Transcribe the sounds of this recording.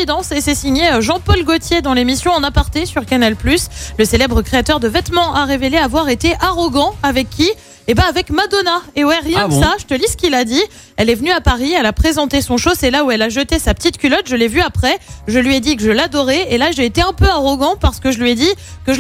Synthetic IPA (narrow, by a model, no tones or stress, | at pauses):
id̪ɑ̃sesɛsiɲeøʒɑ̃pɔlɡot̪jed̪ɑ̃lemisjɔ̃ɑ̃napaʁt̪esyʁkanalplysləselɛbʁəkχeat̪œʁd̪əvɛt̪mɑ̃ʔaʁeveleavwaʁet̪eʔaʁɔɡɑ̃avɛkʰʲːi | ebãːvɛkmad̪ɔnaewɛʁjɛ̃d̪saʒət̪əlisə̥kʲilad̪i | ɛlɛvənyapaʁiɛlapχezɑ̃t̪esɔ̃ʃosɛlauɛlaʒət̪esapə̥t̪it̪kʲylɔt̪ʒəlɛvyapχɛʒəlɥiɛd̪ikəʒəlad̪ɔʁeelaʒeːt̪eɛ̃pøaʁɔɡɑ̃paʁsə̥kəʒəlɥiɛd̪ikəʒə